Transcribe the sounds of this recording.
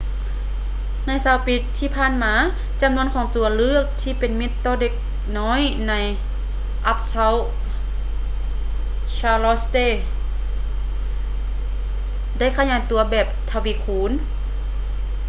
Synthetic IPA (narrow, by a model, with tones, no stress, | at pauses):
na˧˥˨jsaː˨˦wpi˧˦t̪ʰːiː˧pʰaː˧˥˨nmaː˨˧˦ | t͡ɕa˨˦mnu˧˥ənkʰɔː˨˦ŋt̪u˨˦ɐlɯ˧˥˨ək̚t̪ʰiː˧˨pe˨nmi˧˦t̪ːɔː˧de˧˥k̚ | nɔː˧˥˨jna˧˥j | ʔa˧˥p̚sa˧˥w | t͡ɕʰaː˧lɔ˧˥st̪eː˧˥˨ | da˥˩˨jkʰa˧˨ɲaː˨˦jt̪u˨˦ɐbɛː˨˩p̚t̪ʰa˧˩wi˧˦kʰuː˨˦n